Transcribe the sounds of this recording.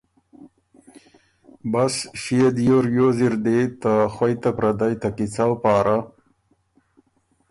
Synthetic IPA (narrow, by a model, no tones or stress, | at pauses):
basʃijed̪joɾjoziɾd̪et̪axwajt̪apɾad̪ajt̪akit͡sawpɑːɾa